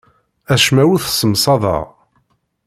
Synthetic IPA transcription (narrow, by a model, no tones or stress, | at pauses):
æʃmæwuθsəmsˤɑðˤɑ̰ʁ